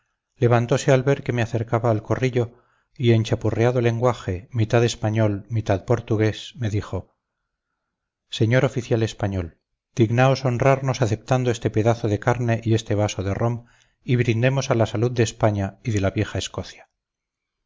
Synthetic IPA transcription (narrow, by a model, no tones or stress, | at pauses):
le̞β̞ant̪o̞se̞alβe̞ɾke̞me̞aθe̞ɾkaβaːlko̞riʎo̞ | ie̞nʲt͡ʃapureaðole̞ŋɡwaxe̞mit̪aðe̞spaɲo̞lmit̪aðpo̞ɾt̪uɣe̞sme̞ðixo̞ | se̞ɲo̞ɾo̞fiθjale̞spaɲo̞l | d̪̥iɣnao̞so̞nraɾno̞saθe̞p̚t̪and̪oest̪e̞pe̞ðaθoðe̞kaɾne̞ʔie̞st̪e̞β̞asoðe̞rʔo̞m | iβɾind̪e̞mo̞salasaluðd̪espaɲaiðe̞laβje̞xaesko̞θja